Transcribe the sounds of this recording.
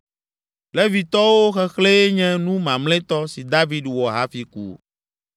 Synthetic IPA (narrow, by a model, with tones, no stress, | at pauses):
lɛ˦vi˨t̪ɔ˦wo˦xɛ˦xle˦ɲɛ̃˦nũ˦mã˨mlɛ̃˦t̪ɔ˦si˨d̪a˦vi˦ɖwɔ˨ɦa˦fi˨˦kṵ˦